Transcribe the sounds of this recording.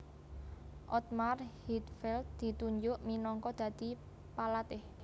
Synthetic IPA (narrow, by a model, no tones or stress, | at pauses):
ʔɔt̪̚marhit̪fɛlt̪̚d̪̥i̤t̪uɲd͡ʒʊʔminɔŋkɔd̪̥ä̤d̪̥i̤ | palat̪ɪh